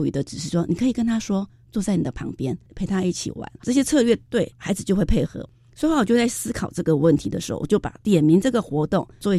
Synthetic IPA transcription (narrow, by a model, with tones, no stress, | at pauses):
y̰˧˩d̪ə˦ʈ͡ʂɻ̩˨˩ʂɻ̩˥˩ʂwɔ˥ni˨˩kʰɤ˧˥i˨˩kə˥nt̪ʰa˥ʂwɔ˥ | t͡swɔ˥˧t͡sa˥˩ɪni˨˩d̪ə˦pʰɑ̰˧˥ŋpjɛ˥npʰe˧˥ɪt̪ʰa˥i˥˩t͡ɕʰḭ˨˩wa̰˧˥nʈ͡ʂɤ˥˩ɕ̬jɛ˥t͡sʰɤ˥˧lɥɛ˥˧t̪we˥˩ɪxa˧˥ɪd͡zɹ̩˧˩jo˥˧ʊxwe˥˧ɪpʰe˥˩ɪxɤ̰˧˥ | sɔ˧˥˧wɔ˨˩t͡ɕjo˥˧ʊt͡sa˥˩ɪsɹ̩˥kʰɑ˨˩ʊʈ͡ʂɤ˥˩ɡə˩wə˥˩nt̪ʰi˧˥ə̰˧ʂɻ̩˧˥xo̰˥˩ʊwɔ̰˨˩t͡ɕjo˥˩ʊpa̰˨˩t̪jɛ˨˩nmi˧˥ŋʈ͡ʂɤ˥˩ɡə˨˩xwɔ˧˥t̪ʊ˥˩ŋwɔ˥˩we˧˥